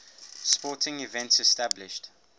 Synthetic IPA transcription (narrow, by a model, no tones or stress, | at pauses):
spɔtʰɪ̃ŋivɛ̃ntsɛstablɪʃt